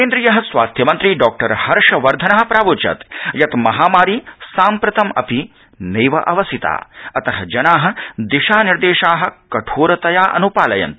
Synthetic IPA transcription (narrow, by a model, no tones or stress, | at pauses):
keːnd̪ɾijɐɦɐ̆sʋaːst̪ʰjɐmɐnt̪ɾiɖɔːk̚ʈɐɾhɐɾʂɐʋɐɾd̪ʱɐnɐɦɐ̆pɾaːbut͡ʃɐ̰t̪jɐt̪mɐɦaːmaːɾisaːmpɾɐt̪ɐmɐ̰pi | neːʋɐ̰ʔɐʋɐsit̪a̰ːɐt̪ɐɦɐd͡ʒɐnaːɦɐ̆d̪iʃaːniɾd̪eːʃaːɦɐ̆kɐʈʰoːɾɐt̪ɐjaːʔɐ̰nupaːlɐjɐ̰nt̪